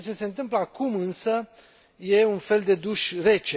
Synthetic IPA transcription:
t͡ʃe̞se̞ɨnt̪ɨmpləakumɨnsə | je̞unfe̞ld̪e̞d̪uʃre̞t͡ʃe

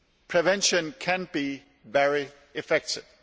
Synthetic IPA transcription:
pʰɹ̥ɛvɛ̃nʃə̃nkʰæ̃nbi | vɛɹi | ɪfɛk̚tʰɪv̥

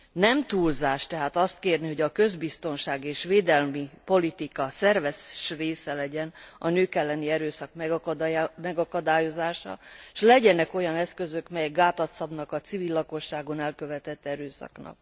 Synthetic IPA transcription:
nɛmt̪uːlzaːʃt̪ɛɦaːt̪ɒst̪keːrniɦo̞ɟɒkø̞zbist̪o̞nʃaːɡeːʃʋeːd̪ɛlmipo̞lit̪ikɒsɛrvɛʃreːsɛlɛɟɛnɒ̰nøːkɛlːɛniɛɾøːsɒkmɛ | mɛɡɒkɒd̪aːjo̞zaːʃɒ̰ʃlɛɟɛnɛko̞jɒnɛskøzøkmɛjɛɡɡaːt̪ɒt̪sɒbnɒkɒt̪sivilːɒko̞ʃːaːɡo̞nɛlkø̞vɛt̪ɛt̪ːɛɾøːsɒ̰knɒ̰k̚

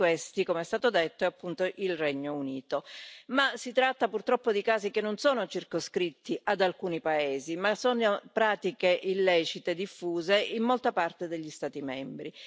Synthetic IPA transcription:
west̪ikomeɛst̪aːt̪od̪et̪ːoɛapːunt̪oʔilrɛɲːouniːt̪omasit̪ɾat̪ːapurt̪ɾɔpːod̪ikaːzikenːonsoːnot͡ʃirkoskɾit̪ːiad̪alkuːnipaeːzimasoːnopɾaːt̪ikeʔilːɛːt͡ʃit̪ed̪ifːuːzeimːolt̪apart̪ed̪eʎːist̪aːt̪imɛmbɾi

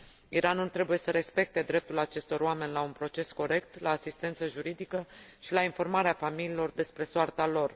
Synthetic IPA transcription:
iɾanult̪ɾe̞buje̞səɾe̞spe̞k̚t̪e̞d̪ɾe̞p̚t̪ulat͡ʃe̞st̪o̞ɾoame̞nʲlaunpɾo̞t͡ʃe̞sko̞ɾe̞k̚t̪laːsist̪e̞nt̪səʒuɾid̪ikəʃilainfo̞rmaɾeafamililo̞rd̪e̞spɾe̞soart̪alo̞r

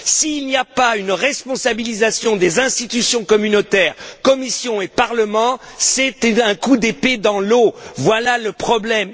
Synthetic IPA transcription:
siːlniapaynʁɛspɔ̃sabilizasjɔ̃d̪ezɛ̃st̪it̪ysjɔ̃kɔmynot̪ɛːʁkɔmisjɔ̃epaʁləmɑ̃sɛt̪ɛ̃kud̪eped̪ɑ̃lovwalaləpχɔblɛm

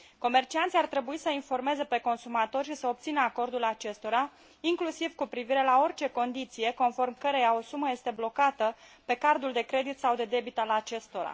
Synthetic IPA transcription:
ko̞me̞rt͡ʃiant̪siart̪ɾe̞buisəinfo̞rme̞ze̞pe̞ko̞nsumat̪o̞rʃisəop̚t̪sinəako̞rd̪ulat͡ʃe̞st̪o̞ɾa | iŋklusivkupɾiviɾe̞lao̞rt͡ʃe̞ko̞nd̪it̪sije̞ko̞nfo̞rmkəɾe̞jao̞suməje̞st̪e̞blo̞kat̪əpe̞kard̪uld̪e̞kɾe̞d̪it̪sawd̪e̞d̪e̞bit̪əalat͡ʃe̞st̪o̞ɾa̰

